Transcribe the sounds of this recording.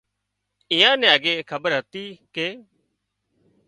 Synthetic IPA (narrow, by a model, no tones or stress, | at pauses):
ɪjãːnɛ̃ːəɡeːkʰəbəɾɦət̪iːkeː